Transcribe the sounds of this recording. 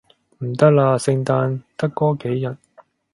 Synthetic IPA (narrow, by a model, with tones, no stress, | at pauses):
m̩˨˩t̪ɐ˥k̚laː˧sɪ˧ŋt̪aː˧nt̪ɐ˥kːɔː˥ke˨˥jjɐ˨˩t̚